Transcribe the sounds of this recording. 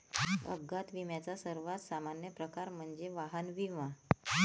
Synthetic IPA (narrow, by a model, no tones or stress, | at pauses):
ə̰ɡːat̪ʋimjat͡sasəɾʋat̪samanjəpɾəkaɾm̤əɳd͡zeʋaɦənʋiʋa